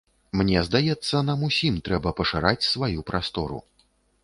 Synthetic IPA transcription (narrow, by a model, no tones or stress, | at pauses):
mnʲɛzd̪ajɛt̪sːɐnamusʲimt̪ɾɛbɐpɐʂaɾat͡sʲsvajupɾast̪ɔɾṵ